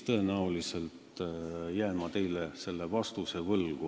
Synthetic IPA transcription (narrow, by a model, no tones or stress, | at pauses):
t̪ɤe̞næulise̞lt̪jæːmɑt̪e̞jlese̞lːe̞vɑst̪use̞vɤlɡ̥u